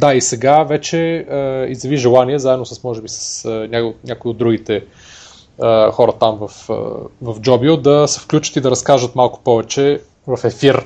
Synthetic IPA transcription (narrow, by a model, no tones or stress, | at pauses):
d̪aisɛɡavɛt͡ʃɛəizjɐviʒɛlˠaniɛzaɛd̪nosɐsmɔʒɛbisɐ̥snʲanʲakʊiod̪ɾuɡit̪ɛ | əxɔɾɐt̪amvɐfə̰vɐfd͡ʒɔbiod̪ɐsɛ̥fklʲut͡ʃə̥t̪id̪ɐɾɐskaʒət̪malˠkʊ̥pɔvɛt͡ʃɛ | vɐfɛfiɾ